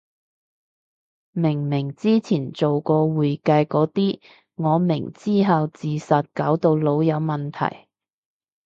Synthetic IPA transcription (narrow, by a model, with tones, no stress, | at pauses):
mɪ˨˩ŋmɪ˨˩ŋt͡siː˥t͡sʰiː˨˩nt͡so˨wkɔː˧wuː˨˩jkɐ˧jkɔː˨˥t̪iː˥ | ŋɔː˨˧mɪ˨˩ŋt͡siː˥ɦɐ˨wt͡siː˨˩sɐ˨t̚kaː˨˥wt̪o˧wlo˨˧wjɐ˨˧wmɐ˨nt̪ʰɐ̰˨˩j